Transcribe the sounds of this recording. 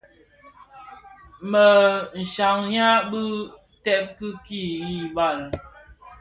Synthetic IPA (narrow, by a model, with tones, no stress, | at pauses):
mə˨n̩˨ʃa˨ŋɲa˦bɨ˦ | tɛ˦p̚kɨ˦ki˦˨i˨ba˨l